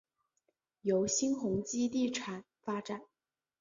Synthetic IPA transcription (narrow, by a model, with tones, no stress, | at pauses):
jo˧˥ʊɕi˥nxʊ˧˥ŋt͡ɕi˥t̪̬i˥˩ʈ͡ʂʰa˨˩n | fa˥ʈ͡ʂa˨˩˦n